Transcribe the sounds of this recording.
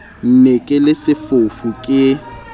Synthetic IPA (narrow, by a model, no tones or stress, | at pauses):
n̩nekʼɪlɪsɪfofukʼɪ